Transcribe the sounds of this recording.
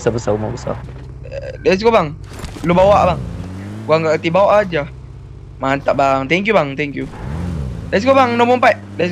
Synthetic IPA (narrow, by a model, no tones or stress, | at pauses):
əsabəsaumabəsa̰ | das̬kobaŋ | lubawaʔbaŋɡuaŋkakat̪ibawaʔad͡ʒa | mant̪aʔbaŋt̪ɛŋkjubaŋt̪ɛŋkju | dais̬kobaŋnomɔmpajʔ̚das